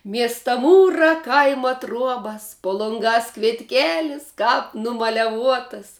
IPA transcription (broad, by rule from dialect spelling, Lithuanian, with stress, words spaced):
ˈmʲiɛstɐ ˈmuːrɑː ˈkɐɪmɐ ˈtruɔbɐs poː lˠoːŋˈɡɑːs kʋʲiɛtʲˈkʲeːlʲɪs ˈkɑːp nʊmɐlʲɛˈʋuɔtɐs